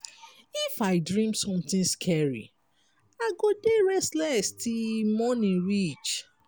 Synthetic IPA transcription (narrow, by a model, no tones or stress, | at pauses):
ifaɪdɹĩmsɔ̃mt̪ĩnskʰɛɹḭ | aɡodeɹɛstlɛstimɔnĩnɹit͡ʃ